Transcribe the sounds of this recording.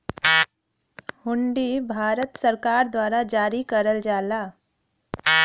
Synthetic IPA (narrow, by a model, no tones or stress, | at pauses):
hʊɳɖiːbʱaːɾət̪səɾkaːɾd̪waːɾad͡ʒaːɾikəɾəld͡ʒaːlaː